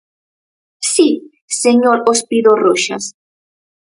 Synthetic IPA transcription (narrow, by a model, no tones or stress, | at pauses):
si | seɲoɾospiðoroʃa̰s